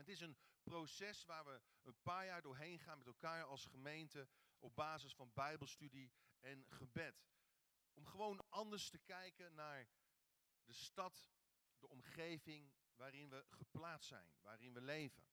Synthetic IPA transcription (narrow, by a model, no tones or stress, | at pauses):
ətɪsənprosɛsʋaːɹʋə | ənpaːɹjaːɹdʊːɹɦejnχaːnmɛtɛlˠkaːɹɑlˠsχəmejntə | ʔɔb̚baːzəsfɑnbɛjbəlˠstydiɛnχəbɛt | ɔmχəʋownɑndəɹstəkɛjkənaːɹ | dəstɑt | dəɔmχejvɪŋ | ʋaːɾɪnʋəχəplaːtssɛ̰jnʋa̰ːɾɪnʋəlejvə̰n